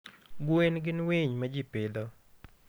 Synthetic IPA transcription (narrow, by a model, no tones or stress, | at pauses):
ɡwenɡɪnwiɲmad͡ʒipɪd̪ɔ